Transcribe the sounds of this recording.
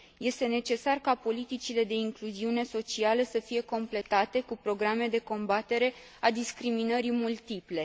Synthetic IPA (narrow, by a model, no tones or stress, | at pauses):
je̞st̪e̞ne̞t͡ʃe̞sarkapo̞lit̪it͡ʃile̞d̪e̞iŋkluziune̞so̞t͡ʃialəsəfije̞ko̞mple̞t̪at̪e̞kupɾo̞ɡɾame̞d̪e̞ko̞mbat̪e̞ɾe̞ | ad̪iskɾiminəɾimult̪iple̞